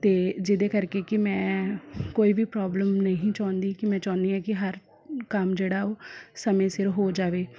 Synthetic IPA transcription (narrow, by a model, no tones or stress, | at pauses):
t̪eːd͡ʒɪd̪eːkəɾkeːkɪmɛ̃ːkoːiːʋiːpɾaːbləmnəɦĩːt͡ʃãːnd̪iːkɪmɛ̃ːt͡ʃaːnd̪iːɛːkɪɦəɾ | kəmd͡ʒeːɽaːoːsəmẽːsɪɾɦoːd͡ʒaːʋeː